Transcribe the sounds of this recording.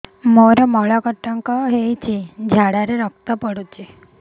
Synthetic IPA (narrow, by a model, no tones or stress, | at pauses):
moɾamɔɭakəʈːaŋkaɦejt͡ɕid͡ʑʱaɽaɾeɾəkt̪apəɽut͡ɕe